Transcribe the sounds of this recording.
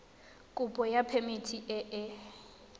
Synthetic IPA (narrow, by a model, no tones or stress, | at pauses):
kʼupʼɔjapʰemitʰiʔɛʔɛ